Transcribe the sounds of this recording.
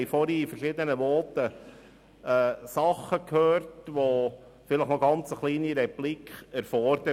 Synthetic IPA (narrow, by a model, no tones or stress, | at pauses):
jfɔɾifərʃɪːd̪ənəʋɔːtə | ɛːsɑχəkʰhøːrtʋo | fɪləχnoɡɑnt͡səχliːniɾɛplikχæɾfɔɾd̪ə